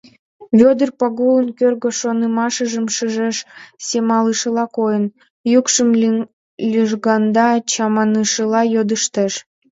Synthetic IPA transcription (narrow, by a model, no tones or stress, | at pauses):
βʲod̪ərpɑɣulənkørɣəʃonəmɑʃəʒəmʃəʒeʃsemɑləʃəlɑkojən | jukʃəm | lʲyʒɣɑnd̪ɑt͡ɕɑmɑnɯʃəlɑjod̪əʃt̪eʃ